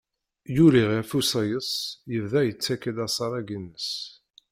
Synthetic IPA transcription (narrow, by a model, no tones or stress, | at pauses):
juɾiʁifusɑjəsˤjəvðæjət͡sːækːəlæsˤɑɾˤæɡənːəs